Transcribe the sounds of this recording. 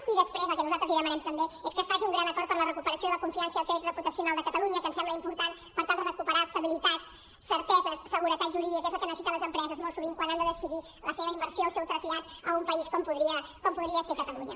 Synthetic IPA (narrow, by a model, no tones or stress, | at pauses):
iðəspɾezəlˠkənuzalt̪ɾəzliðəmənɛmt̪əmbeeskəfaʒiuŋɡɾanəkɔɾt̪pəɾlərəkupəɾəsioðəkuɱfiansəəkɛit̪rəput̪əsiunalˠd̪əkət̪əluɲəkənsɛmbləimpuɾt̪an | pəɾt̪alˠd̪əðəkupəɾaəst̪əβilit̪at̪ | səɾt̪ɛzəssəɣuɾət̪at̪ʒuɾiðikezəlˠkənəsit̪ələzəmpɾɛzəzmɔlˠsuβiŋkwanand̪əðəsiði | ləseβəimbəɾsioːlˠsɛwt̪ɾəzʎat̪əumpəiskɔmpuðɾiəkɔmpuðɾiəsekət̪əluɲə̰